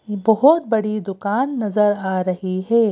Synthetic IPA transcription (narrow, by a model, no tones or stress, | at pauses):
bɔɦʊt̪̚bɐɽid̪ʊkaːnːɐzəɾaːɾɐɦiɦɛː